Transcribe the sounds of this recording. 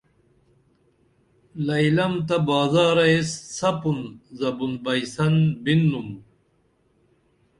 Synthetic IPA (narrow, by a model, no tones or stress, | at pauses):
lɐjlɐmt̪ɐbaːzaːɾɐesːɐpunzɐbunbɐjsɐnbinːum